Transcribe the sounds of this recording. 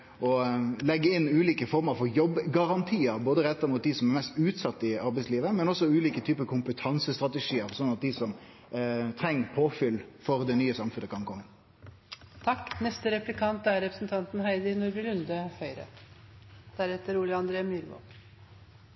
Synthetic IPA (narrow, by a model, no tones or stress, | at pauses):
ɔlɛɡːəɪnːʉːliːkəfɔɾməɾfɔɾjɔbːɡɑɾɑnt̪ʰiːəɾboːd̪əʁɛt̪ːəɾmuːt̪̚d̪isɔmɛɾmɛst̪ʉːt̪sɑt̪ːəɪɑɾbɛɪsliːʋəmɛnɔsɔʉːliːkət̪ʰyːpəkʰʊmpət̪ʰɑnsəst̪ʁɑt̪əʂiːəɾsɔnɑt̪̚d̪ɪsɔm | t̪ʰɾɛŋːəpʰoːfʏlfɔɾd̪ɛnyːəsɑmfʉnəkʰɑŋkʰɔŋːən | t̪ʰɑkːnɛst̪əɾɛplɪkʰɑnt̪æɾɛpɾəsnt̪ʰɑnt̪n̩hæɪd̪ɪnɔɾʋɪɾʉnd̪əfœʏɾə̰ | d̪̥æɾɛt̪ːəɾuːlɪɑnd̪ɾeːmjʏɾʋo̰ː